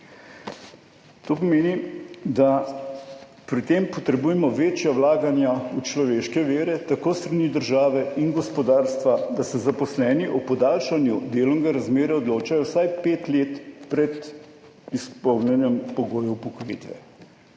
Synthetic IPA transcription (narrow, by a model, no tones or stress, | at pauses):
t̪oːp̬ɔmeːnid̪a | pɾit̪eːmpɔt̪ɾɛbuːjɛmɔʋeːt͡ʃjawlaːɡanjaut͡ʃlɔʋeːʃkɛʋeːɾɛt̪akoːst̪ɾaniːd̪əɾʒaːʋɛinɡɔspɔd̪aːɾst̪ʋad̪asɛzapɔslɛːniʔɔpɔd̪alʃanjud̪eːlɔŋɡaɾazmeːɾɛɔd̪loːt͡ʃajɔwsajpeːt̪leːt̪pɾɛt̪ | ispɔwnjɛnjɛmpɔɡoːjɔwpɔkɔjḭt̪ʋɛ̰